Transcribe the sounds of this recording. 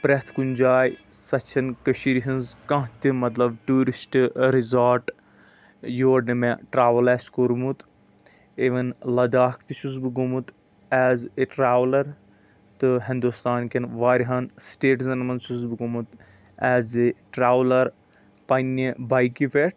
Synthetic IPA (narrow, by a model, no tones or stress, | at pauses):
pɾɐt̪ʰkunʲd͡ʒaːjsɐt͡ʃʰɐnkəʃiɾiɦinzkɐ̃ɦt̪ʲimɐt̪lɐbʈuːɾisʈɾizaːɾʈ | joːɖɨmeʈɾaːʋɐlɛːskoɾmut̪ | eʋɐnlɐd̪aːkʰt̪iʃuzbɨɡomut̪ | ɛːzeʈɾaːʋlɐɾ | t̪ɨɦĩnd̪ust̪aːnkɐnʋaːɾiɦɐnsʈeːʈzɐnmɐnsuzbɨɡomut̪ | ɛːzeʈɾaːʋlɐɾ | pɐnːibɐjkiʋeʈʰ